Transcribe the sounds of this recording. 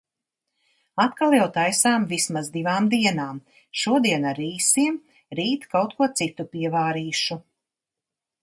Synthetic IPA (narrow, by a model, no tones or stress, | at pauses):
at̪kalˠjawt̪ajsaːmvismazd̪ivaːmd̪iɛnaːm | ʃuɔd̪iɛnaɾiːsiɛm | ɾiːt̪kawt̪̚kuɔt̪sit̪upiɛvaːɾiːʃu